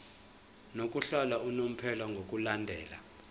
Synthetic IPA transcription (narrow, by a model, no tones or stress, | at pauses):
nok̬ʼuɬɔlaunom̩pʰɛlɔŋɡʱok̬ʼulandʱɛːla̰